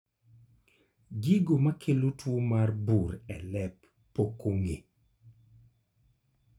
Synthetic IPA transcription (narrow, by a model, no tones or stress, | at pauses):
ɡiɡomakʰelotwomarbuɾɛlɛpː | okoŋe